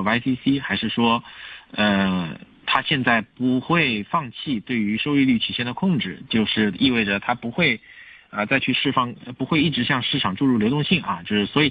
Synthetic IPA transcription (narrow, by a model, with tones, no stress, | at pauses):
a˥ɪsi˥si˥xa˧˥ɪʂɻ̩˥˩ʂwɔ˥ə˧ | t̪ʰa˥ɕjɛ˥˧nt͡sa˥˩ɪpu˧˥xwe˥˧ɪfɑ˥˧ŋt͡ɕʰi˥˧t̪we˥˩ɪy˧˥ʂo˥ʊy˥˧ly˥˩t͡ɕ̪ʰi˨˩ɕjɛ˥nd̪ə˩kʰʊ˥˧ŋʈ͡ʂɻ̩˥˩t͡ɕjo˥˧ʊʂɻ̩˥˩i˥˧we˥˩ɪʈ͡ʂə˩t̪ʰa˥pu˧˥xwe˥˩ɪə˧t͡sa˥˧ɪt͡ɕʰy˥˧ʂɻ̩˥˧fɑ˥˩ŋə˧pu˧˥xwe˥˧ɪi˥˩ʈ͡ʂɻ̩˧˥ɕjɑ˥˧ŋʂɻ̩˥˩ʈ͡ʂʰɑ˨˩ŋʈ͡ʂu˥˧ɻu˥˩ljo˧ʊt̪ʊ˥˧ŋɕi˥˩ŋɐ˩t͡ɕjo˥˧ʊʂɻ̩˥˩swɔ˧˥i˨˩